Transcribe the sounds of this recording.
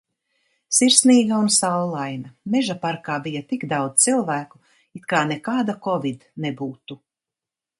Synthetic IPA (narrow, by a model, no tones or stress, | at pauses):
siɾsniːɡaunsawlˠajnɐmɛʒapaɾkaːbijɐt̪ikd̪awd̪t̪silˠvæːku̥ | it̪kaːnɛkaːd̪akɔvid̪nɛbuːt̪u